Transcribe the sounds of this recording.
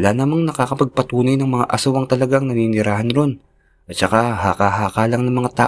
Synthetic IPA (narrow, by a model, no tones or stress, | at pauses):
ɐlanɐmaŋnɐkaːkɐpɐɡ̚pɐt̪uːnɐjnɐŋmɐŋa̰ʔɐsawɐŋt̪ɐlɐɡaŋnɐninɪɾaːhɐnɾon | ʔɐt̪̚t͡ʃɐkahaːkaɦaːkaːlɐŋnɐŋmɐŋat̪aː